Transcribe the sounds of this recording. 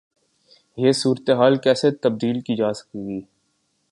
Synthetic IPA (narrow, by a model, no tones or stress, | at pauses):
jesuːɾt̪eɦaːlkɛːset̪ɐb̚d̪iːlkiːd͡ʒaːsə̥kiɡiː